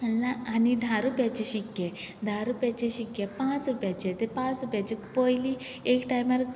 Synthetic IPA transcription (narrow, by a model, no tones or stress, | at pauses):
əllaːnid̪ʱaɾupjat͡ɕeɕikːed̪ʱaɾupjat͡ɕeɕikːepãt͡sɾupjat͡ɕet̪epat͡sɾupjat͡ɕekpɔjli | ekʈajmaɾ